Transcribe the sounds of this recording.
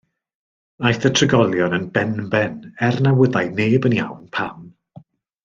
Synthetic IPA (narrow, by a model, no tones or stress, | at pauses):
ajθətʰrəɡɔlˠjɔnənbɛnbɛnɛrnawəðajneːbənja̰wnpʰam